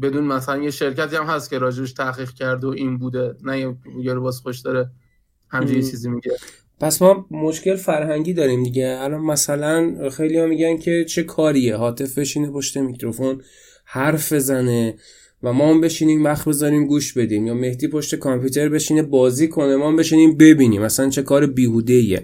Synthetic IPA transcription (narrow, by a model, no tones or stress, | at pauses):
be̞d̪uːnmæsælænjeʃeɾcæt̪iːæmhæst̪̚cʰʲe̞ɾɒːd͡ʒebeʃt̪ʰæχiːɣcʰæɾd̪eoʔiːnbuːd̪enæjiijeɾebɒːzxoʃd̪ɒɾe | hæmd͡ʒejet͡ʃʰiːzimiɟe | pʰæsmɒːmo̞ʃce̞lfæɾɦæŋɟiːd̪ɒːɾiːmd̪iɟeælɒːnmæsælænxe̞jlijɒmːiɟæncʰe̞t͡ʃʰe̞kʰɒːɾieɦɒːt̪ʰe̞fbe̞ʃiːnepʰo̞ʃt̪e̞micʰɾo̞fo̞n | hæɾfbe̞zæne̞ | væmɒːmbe̞ʃiːniːmvæxbe̞zɒːɾiːmɡuːʃbe̞d̪iːmjɒːme̞hd̪iːpʰo̞ʃt̪e̞kʰɒmpʰuːt̪ʰe̞ɾbe̞ʃinebɒːziːkʰo̞nemɒːmbe̞ʃiːniːmbe̞biːniːmæslænt͡ʃʰe̞kʰɒːɾebiːɦuːd̪e̞ijḛ